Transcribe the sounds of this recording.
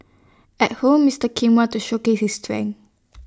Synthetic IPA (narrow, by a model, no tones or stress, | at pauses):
ɛt̚hõmːistəkʰĩŋwɔ̃ntuʃokeshistɹɛ̰̃ŋ